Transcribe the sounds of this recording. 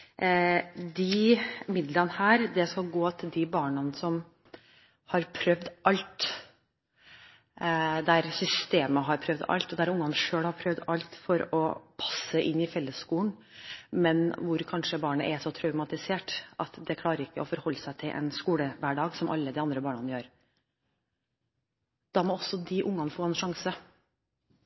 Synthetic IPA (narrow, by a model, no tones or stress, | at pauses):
d̪ɪmɪd̪lənhæːɾd̪ɛskɑlɡoːɑt̪d̪ɪbɑːɳɑnsɔm | hɑɾpʰɾœʋd̪ʔɑlt̪ | d̪æɾsʏst̪eːməɦɑɾpʰɾœʋd̪ɑ̰lt̪ɔd̪æɾʊŋːɑnʂøːlhɑɾpʰɾœʋd̪ɑlt̪fɔɾɔpʰɑsəʔɪnːɪfɛlːəsskuːn | mɛnʋʊɾkʰɑnʂəbɑːɳəʔɛʂɔt̪ʰɾœʉmɑt̪ɪseːʈʔɑt̪d̪ɛkʰlɑːɾəɾɪkːəɔfɔɾhɔlːəsæɪt̪ʰɪlʔɛ̰nskuːləʋæːɖɑːɡsɔmʔɑ̰lːəd̪ɪɑnd̪ɾəbɑːɳɑnəjøːɾ | d̪̥ɑmɔɔsːɔd̪ɪʔʊŋːɑnfoːɛnʂɑŋsə